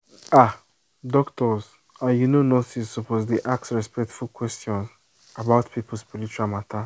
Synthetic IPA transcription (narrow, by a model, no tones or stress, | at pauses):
a | dɔktɔz | ajunonotisːopozdeʔak̚sɹɛspɛk̚tfulkwɛstjɔ̃ns | abaʊtpʰipʊl̩ˠspiɾit͡ʃuɾamatʰa